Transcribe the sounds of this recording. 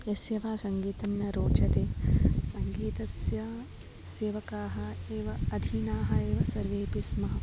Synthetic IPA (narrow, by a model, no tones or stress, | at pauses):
jɐsjɐʋaːsɐŋɡiːt̪ɐmjɐɾoːt͡ʃɐt̪eːsɐŋɡiːt̪ɐsjɐ | seːʋɐkaːɦɐeːʋɐɐd̪ʱiːnaːɦɐeːʋɐsɐɾʋeːpismɐɦɐ